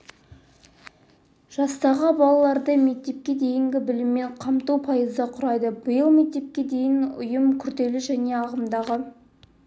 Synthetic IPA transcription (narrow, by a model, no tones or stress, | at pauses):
ʒ̥ɑst̪ɑʁəbɑlˠɑlˠɑɾd̪əme̞k̚t̪e̞p̚kʲe̞d̪e̞jɪŋɡʲɪbɪlɪmːe̞ɴqʰɑmt̪uwpʰɑjəzd̪əqʰʊɾɑjd̪əbəjəlˠme̞k̚t̪e̞p̚kʲe̞d̪e̞jɪnʊ̰jəmkʲʰʏɾd̪e̞lɪʒæne̞ɑʁəmd̪ɑʁə